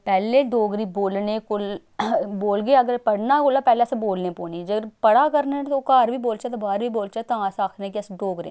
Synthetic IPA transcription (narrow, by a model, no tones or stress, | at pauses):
pɛːleːɖoːɡɾiːboːlneːkʊl | boːlɡeəɡəɾpəɽnaːkoːlaːpɛːleseboːlnẽpoːnid͡ʒəɡəɾpəɽaːkəɾnẽt̪okaːɾbiːboːlt͡ʃaːt̪obaːɾbʱiːboːlt͡ʃat̪ããːsaːkʰnẽːkiəsɖoːɡɾḛ̃ː